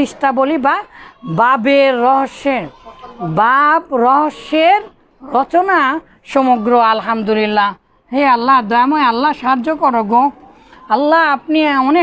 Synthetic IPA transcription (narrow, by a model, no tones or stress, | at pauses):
iʃʈabolibababeɾːɔɦoʃːe | babɾɔɦoʃːeɾ | ɾɔt͡ɕona | ʃɔmoɡɾoalɦamd̪ulilːa | ɦealːad̪ɔjamoealːaʃaɦad͡ʑːokɔɾɔɡo | alːaap̚nione